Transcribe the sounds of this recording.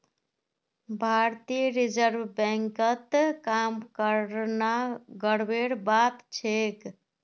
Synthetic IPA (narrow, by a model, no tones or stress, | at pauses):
bʱaɾt̪iɾid͡ʒəɾbbɛ̃ŋkət̪kamkəɾnaɡəɽbeɽbat̪t͡ʃʰek